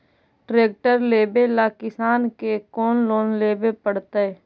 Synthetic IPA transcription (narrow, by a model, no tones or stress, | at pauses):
ʈɾeːk̚ʈəɾleːbelaːkɪsaːnkekoːnloːnleːbepəɽt̪aɛː